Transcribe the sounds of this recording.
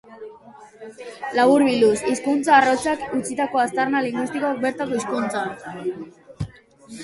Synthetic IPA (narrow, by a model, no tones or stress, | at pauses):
laβuɾβilusiskunt͡saːro̞t͡sakut͡sit̪ako̞ast̪aɾnaliŋɡwist̪ikoak̚be̞ɾt̪ako̞iskunt͡sa